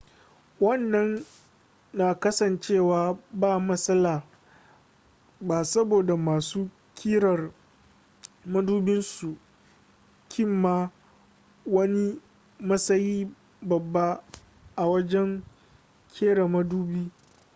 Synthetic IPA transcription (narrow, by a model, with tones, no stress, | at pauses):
wɐ˦˨nːɐ˦nː | aː˨kɐ˦sɐ˨nt͡ʃeː˦˨waː˨baː˦˨mɐ˦sɐ˦laː˨ | baː˨sɐ˦boː˨da˨maː˨suː˦ | kʲʰiː˦ɽɐ˨r | mɐ˦duː˦bɪ˦nsu˨ | kʲʰɪ˦˨mːaː˦ | wɐ˦ni˦ | mɐ˦sɐ˦jiː˦ | bɐ˨bːa˦ | ʔa˨wɐ˦d͡ʒɛ˦ŋ | kʲʰeː˦ɽa˨mɐ˦duː˦biː˦